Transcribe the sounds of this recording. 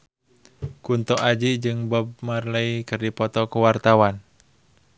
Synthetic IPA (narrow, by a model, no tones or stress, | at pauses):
kunt̪ɔʔad͡ʒiʔd͡ʒɨŋbɔb̚marləikɨrdipɔt̪ɔkuwart̪awan